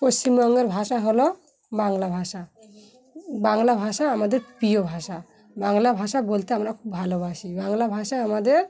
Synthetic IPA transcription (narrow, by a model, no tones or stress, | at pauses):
post͡ɕimbɔŋɡeɾbʱaʃaɦɔlɔ | baŋlabʱaʃa | baŋlabʱaʃaːmad̪eɾpijobʱaʃa | baŋlabʱaʃabolt̪eamɾakʰubʱalɔbʱaʃibaŋlabʱaʃaamad̪eɾ